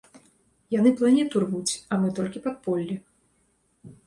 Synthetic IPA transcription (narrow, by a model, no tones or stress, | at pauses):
janɨplˠanʲɛt̪urvut͡sʲamɨt̪ɔlʲkʲipat̪̚pɔlʲːi